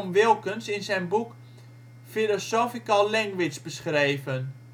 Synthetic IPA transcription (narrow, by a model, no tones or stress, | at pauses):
mʋɪlˠkənsɪnsɛjnbuk | filosoːfikalɛŋʋɪsbəsχrejvən